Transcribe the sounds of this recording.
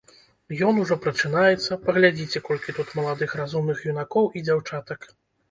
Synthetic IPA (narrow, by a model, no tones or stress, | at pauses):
jɔnuʐɔpɾɐt͡ʂɨnajɛt̪sːɐpɐɣlʲad͡zʲit͡sʲɛkɔlʲkʲit̪ut̪mɐlˠad̪ɨxɾazumnɨxjunakɔwʔid͡zʲawt͡ʂat̪ɐk